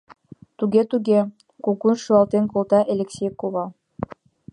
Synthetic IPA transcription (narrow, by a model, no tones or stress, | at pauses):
t̪uɡʲet̪uɣʲe | kukunʃuɑlˠt̪enkolt̪ɑʔelʲeksʲejkoβɑl